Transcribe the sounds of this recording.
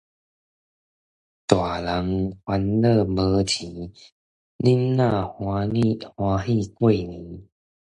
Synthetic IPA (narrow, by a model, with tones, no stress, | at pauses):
t̪wa˨˩la˨˦ŋhwa˧nlɤ˥˧bɤ˧tʰi˨˦ | li˦nːã˥˧ | hwã˧ɦi˥˧˨kwe˥˩˨nĩ˨˦